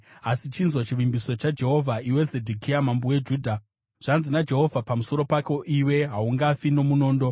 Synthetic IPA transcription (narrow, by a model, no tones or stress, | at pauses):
asit͡ʃinzwot͡ʃiʋimbiso̞t͡ʃad͡ʒe̞ɦo̞vʱaiwe̞zedʱikʰijamambuwe̞d͡ʒuːdʱa | ʐ̥anzinad͡ʒe̞ɦo̞vʱapamuso̞ɾo̞pako̞ʔiwe̞ɦauŋɡafino̞muno̞ːndo